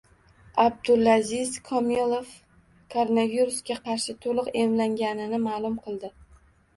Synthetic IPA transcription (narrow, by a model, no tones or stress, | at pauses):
ab̚d̪ʊlˠːazɪzkʰɒmilˠof | kʰoɾonaviɾusɡʲaqʰɑɾʃɪt̪ʰolˠɨqemlaŋɡʲanɪnɪmaːlˠʊmqʰɨlˠd̪ɪ